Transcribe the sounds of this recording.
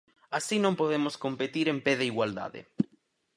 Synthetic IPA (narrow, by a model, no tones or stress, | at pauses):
asinõmpoðemʊskompet̪iɾẽmpeðeiɣwald̪a̰ðɪ̰